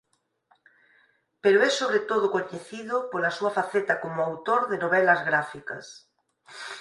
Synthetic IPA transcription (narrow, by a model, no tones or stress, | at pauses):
peɾoɛsoβɾet̪oð̞ʊkoɲeθiðʊpolɐsuɐfaθet̪ɐkomʊawt̪oɾðɪnoβɛlɐzɣɾafikɐ̰s